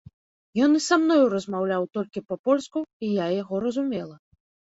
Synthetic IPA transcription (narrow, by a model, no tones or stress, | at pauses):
jɔnisamnɔjuɾɐzmawlʲawt̪ɔlʲkʲipɐpɔlʲskuijajaɣɔɾɐzumʲɛlˠɐ